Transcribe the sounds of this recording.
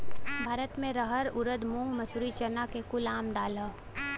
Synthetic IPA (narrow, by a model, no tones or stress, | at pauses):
bʱaːɾət̪mẽɾəɦəɾʊɾəd̪mʊ̃ŋɡmɐsuːɾit͡ʃəɾnakekʊlaːmd̪aːla